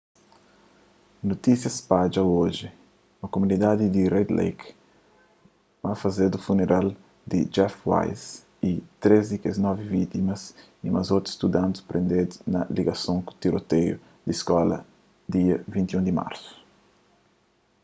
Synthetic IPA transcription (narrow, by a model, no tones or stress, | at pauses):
not̪isjɐspad͡ʒaoʒi | mɐkomunid̪ad̪id̪irɛd̪lḛjk | mafɐzed̪ufuneɾʔal | d̪id͡ʒɛfwa̰jz | it̪ɾezd̪ikeznɔvivit̪imɐs | imɐzot̪i̥st̪ud̪ãnt̪u̥spɾẽnd̪ed̪unɐ̰liɡɐsõŋku̥t̪iɾot̪eju | d̪iskɔlɐ̰ | d̪iɐvĩnt̪jũnd̪ima̰ɾsu̥